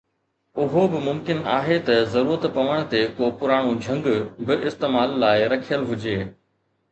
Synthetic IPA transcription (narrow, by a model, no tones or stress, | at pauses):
ʊɦobɪmʊmkɪna̰ːɦet̪ɐzɐɾuːɾət̪pɐʋəɽ̃̆t̪ekoːpʊɾaːɽ̃ũd͡ʑʱɐ̃ŋɡbɪʔɪst̪eːmaːlːaːɪɾɐkʰijəlɦʊd͡ʑeː